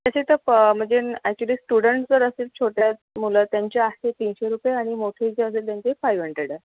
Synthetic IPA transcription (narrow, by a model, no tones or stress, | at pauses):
t̪jaɕet̪əm̤ə̃ɳd͡zeɛk̚t͡ɕuəliːsʈuɽəɳʈd͡zəɾəselt͡ɕʰoʈjamulət̪jaɲt͡ɕeaset̪inɕeɾupjeaɽ̃imoʈʰeit͡seəselt̪jaɲt͡ɕeifajʋəɳʈeɽə